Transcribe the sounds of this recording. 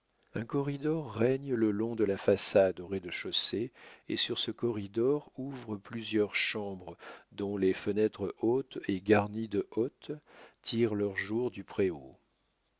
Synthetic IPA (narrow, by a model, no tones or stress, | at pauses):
ɛ̃kɔʁid̪ɔʁːɛɲləlɔ̃d̪əlafasad̪ɔʁed̪əʃoseḛsyʁsəkɔʁid̪ɔʁuvʁəplyzjœʁʃɑ̃bʁəd̪ɔ̃lefənɛt̪χəʔot̪eɡaʁnid̪əʔot̪ː | iʁlœʁʒuʁd̪ypχeo